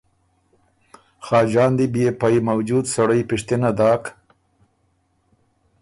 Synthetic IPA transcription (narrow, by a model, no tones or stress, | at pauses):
xɑːd͡ʒɑːnd̪ibjepajmawd͡ʒud̪saɽəjpɪʃt̪inad̪ɑːk